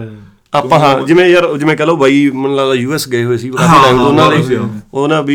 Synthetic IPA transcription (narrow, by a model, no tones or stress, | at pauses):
aːpãːɦãːd͡ʒɪmẽːjəɾd͡ʒɪmẽːkɛːloːbaːiːmənlaaːjuːɛːsɡəeːɦoːeːsiːbaːʈaːmonãːleiːonãːbi